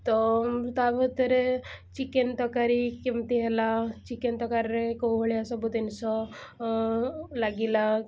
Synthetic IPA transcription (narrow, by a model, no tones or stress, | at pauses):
t̪ɔt̪abət̪əɾet͡ʃikent̪ɔkaɾikemt̪iɦɛlat͡ʃikent̪ɔkaɾɾekoɦəɭiasɔbud̪ensɔ | laɡila